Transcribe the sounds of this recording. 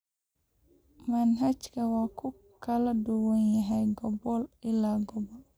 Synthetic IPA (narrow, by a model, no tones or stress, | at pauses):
mɐnɦɐt͡ʃkʰɐwaːkʰʊ | kʰɐlɐdʊwɐnjɐɦɛjɡɔbɔlʔɪlaːɡɔbɔl